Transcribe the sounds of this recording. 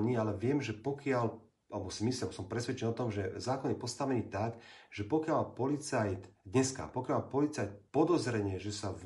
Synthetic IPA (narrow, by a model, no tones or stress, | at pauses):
nialɛʋɪɛmʒɛpɔkɪal | albɔsimisliabsɔmpɾɛsʋɛt͡ʃɛnɔt̪ɔmʒɛzaːkɔnjɛpɔst̪aʋɛniːt̪aɡʒɛpɔkɪalpɔlit͡sajt̪d̪ɲɛska̰pɔkjalpɔlit͡sajt̪̚pɔd̪ɔzɾɛɲɛʒɛsav